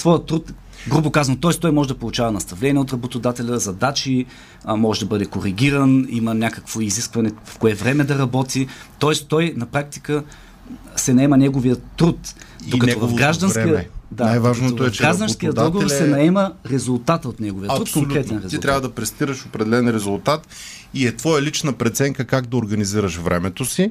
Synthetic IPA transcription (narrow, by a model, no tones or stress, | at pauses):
svɔjət̪ːɾut̪ | ɡɾubokazvənt̪ɔɛst̪ɔjmɔʒɛd̪ɐpolˠut͡ʃavɐnɐst̪ɐvlɛnʲiɛot̪ɾɐbot̪od̪at̪ɛlʲəzɐd̪at͡ʃi | mɔʒɛd̪ɐbɤd̪ɛkoɾiɡʲiɾənimənʲakəkvoiziskvɐnɛvfkoɛvɾɛmɛd̪ɐɾɐbɔt̪it̪ɔɛst̪ɔjnɐpɾak̚t̪i̥kə | sɛnɐɛmənʲɛɡovijət̪ːɾut̪ | d̪okɐt̪ɔvɐvɡɾaʒd̪ɐnkid̪anajvaʒnooɛɡɡɾaʒd̪ɐnskijəd̪ɔlˠɡovoɾsɛnɐɛməɾɛzulˠt̪at̪əot̪nɛɡoviət̪ɾut̪koŋkɾɛt̪ɛnɾɛzit̪ɾʲavəd̪ɐpɾɛst̪iɾəʃopɾɛd̪ɛlɛnɾɛzulˠt̪at̪ | iɛt̪vɔjɐlit͡ʃnəpɾɛt̪sɛŋkəkaɡd̪ɐoɾɡɐniziɾəʃvɾʔɛ̰mɛt̪osi